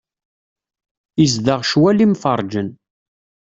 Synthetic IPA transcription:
izd̪əʁʃwælimfəɾˤd͡ʒən

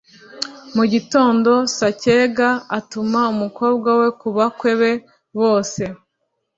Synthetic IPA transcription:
muɟito̞ːndo̞sace̞ɡaatumaumuko̞ːb̚ɡwawe̞kuβakwe̞βe̞ | βo̞ːse̞

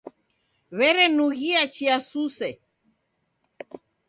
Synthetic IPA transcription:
βɛɾɛnuɣiat͡ʃiasusɛ

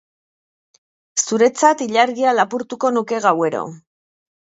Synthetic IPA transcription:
suɾe̞t͡sat̪iʎaɾɣialapuɾt̪uko̞nuke̞ɣawe̞ɾo̞̰

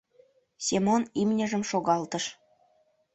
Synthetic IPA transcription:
sʲemonimnʲə̆ʒə̆mʃoɣɑlt̪əʃ

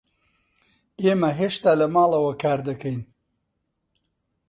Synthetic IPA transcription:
eːmɐɦeːʃt̪aːlɐmaːlˠɐwɐkʰaːɾd̪ɐkɐjn

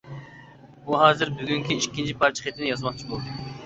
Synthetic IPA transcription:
buɦɑːzɪɾbyɡʲyŋkʲiiʃkʲint͡ʃʰipʰɑɾt͡ʃʰi̥χet̪ʰɪnɪjɑzmɑqt͡ʃʰibolˠd̪u

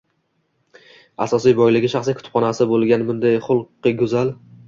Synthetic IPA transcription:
asɒsijbɒjlɪɡʲɪʃaχsijkʰʊ̥t̪ʰʊ̥p̚χɒnasɪbolˠɡʲanbʊnd̪ajχʊlˠqːɨɡʲʊzal

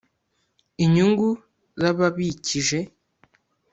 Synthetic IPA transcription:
iɲuŋɡu | zaβaβiciʒe̞

